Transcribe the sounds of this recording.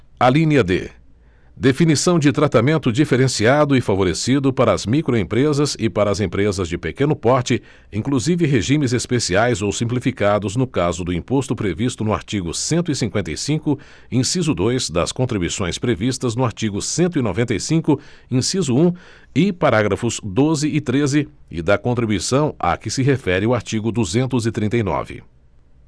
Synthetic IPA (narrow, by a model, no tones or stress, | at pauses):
alĩɲɐd̪ḛ | d̪efinisɐ̃w̃d͡ʒɪt̪ɾat̪amẽnt̪ʊd͡ʒifeɾẽsiad̪ʊɪfavoɾesid̪ʊpaɾɐːzmikɾoẽpɾezɐzɪpaɾɐzẽpɾezɐzd͡ʒɪpekẽnʊpɔɾt͡ʃɪ | ĩŋkluzivɪɦeʒĩmɪzespesiajzowsĩmplifikad̪ʊznʊkazʊd̪ʊĩpost̪ʊpɾevist̪ʊnʊa̰ɾt͡ʃiɡʊsẽnt̪ʊisĩŋkwẽnt̪ejsĩkʊ | ĩsizʊd̪ojzd̪ɐ̰skõnt̪ɾibujsõj̃spɾevist̪ɐznʊaɾt͡ʃiɡʊsẽnt̪ʊinovẽnt̪ejsĩkʊ | ĩsizʊũ | ɪpaɾaɡɾɐfʊz̥d̪ozɪɪt̪ɾezɪɪ̰d̪ɐkõnt̪ɾibuisɐ̃w̃ɐ̰kɪsɪɦefɛɾɪʊaɾt͡ʃiɡʊd̪uzẽnt̪ʊzɪt̪ɾĩnt̪ejnɔ̰vɪ̰